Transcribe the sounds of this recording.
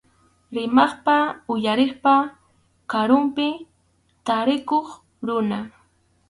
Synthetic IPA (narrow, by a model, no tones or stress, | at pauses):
ɾɪmɑχpaʊjaɾɪχpa | kaɾʊmpɪ | t̪aɾɪkoχ | ɾʊna